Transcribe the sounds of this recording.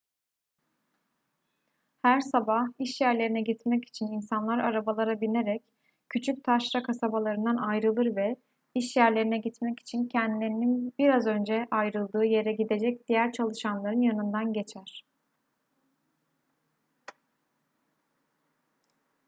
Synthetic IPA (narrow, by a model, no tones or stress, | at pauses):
hæɾsabahiʃjæɾlʲe̞ɾinɛɟit̪mɛci̥t͡ʃʰininsanlˠaɾa̰ɾabalˠaɾabine̞ɾɛc | cʰːyt͡ʃʰyc̚t̪ʰaʃɾakʰasabalˠaɾɯnd̪anajɾɯlˠɯɾvɛ | iʃjæɾlʲe̞ɾinɛɟit̪mɛci̥t͡ʃʰincʰɛnd̪ilʲe̞ɾininbiɾazø̞nd͡ʒɛʔajɾɯlˠd̪ɯːje̞ɾɛɟid̪ed͡ʒɛc̚d̪̥ijæɾt͡ʃʰalˠɯʃanlˠaɾɯnjanɯnd̪anɟe̞t͡ʃʰæɾ̥